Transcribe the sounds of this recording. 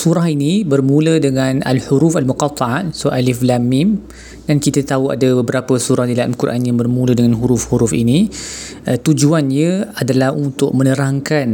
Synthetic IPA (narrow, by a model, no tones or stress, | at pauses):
suɾaɦinibərmũlədəŋãna̰lhuɾufalmuqɑt̪ˤɑat̪̚sualiflamim | dankit̪at̪aua̰dabəbəɾapəsuɾahdilaa̰lkurʔanjaŋbərmũlədəŋanɦuɾʊfhuɾufḭni | t̪ud͡ʒuanɲəadalahunt̪ʊʔ̚mənəɾaŋkan